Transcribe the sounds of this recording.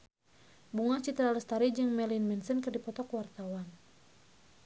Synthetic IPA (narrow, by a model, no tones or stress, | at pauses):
buŋat͡ʃit̪ɾaləst̪aɾid͡ʒɨŋmɛlinmɛnsənkɨrdipɔt̪ɔkwart̪awan